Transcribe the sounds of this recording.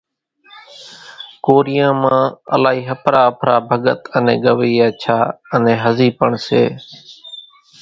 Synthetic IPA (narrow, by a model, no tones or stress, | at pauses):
koːɾɪjãːmãːə̰laːɦiːɦəpʰɾaːəpʰɾaːbʱəɠət̪ənḛ̃ːɠəʋiːaːt͡ʃʰaːənẽːɦəziːpəɳsḛː